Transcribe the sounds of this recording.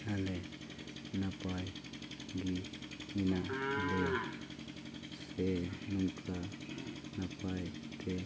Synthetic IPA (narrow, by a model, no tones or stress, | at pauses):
alɛ | napajŋɡiminaale | sɛnuŋkʼanapajt̪ʰʼɛ